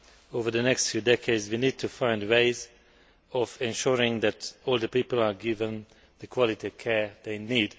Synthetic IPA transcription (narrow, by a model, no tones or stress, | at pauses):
ovə˞ðənɛkstfjudɛkʰeɪdzwinid̚tʰufãɪ̃ndweɪz | ɔvɛ̃nʃuɹɪ̃ŋðætɔlˠd̪əpipəl̩ˠaɡɪvə̃n | ð̥əkʰwɔlitiɔv̥kʰɛɹdeɪniːd